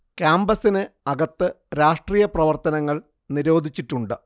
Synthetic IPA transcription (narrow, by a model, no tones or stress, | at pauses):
kjaːmbɐsinɨɐɡɐt̪ːɨ | ɾaːʂʈriːjɐprɐʋɐrt̪ɐnɐŋːɐɭ | niɾo̞ːd̪ʱit͡ɕːitːuɳɖɨ